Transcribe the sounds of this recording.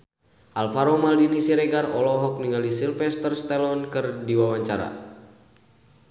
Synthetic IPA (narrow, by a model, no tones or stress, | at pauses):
ʔalfaɾɔmaldinisiɾeɡarɔlɔɦɔk̚niŋalisilfɛst̪ərst̪ɛlɔnkɨrdiwawaɲt͡ʃaɾa̰